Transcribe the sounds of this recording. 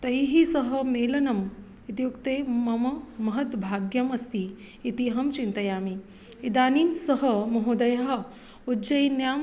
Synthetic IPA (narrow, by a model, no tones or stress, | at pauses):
t̪ɐjɦisɐɦɐ̆meːlɐnɐm | it̪ijukt̪eːmɐmɐmɐɦɐt̪bʱaːɡjɐmɐst̪iː | t̪iɦɐmt͡ʃint̪ɐjaːmi | id̪aːniːmsɐɦɐmɐɦud̪ɐjɐɦɐ̆ | ud͡ʒɐjinjaːm